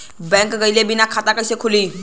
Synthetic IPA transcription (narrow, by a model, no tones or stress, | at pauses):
beŋkɡəjlebinakʰatakajsekʰuli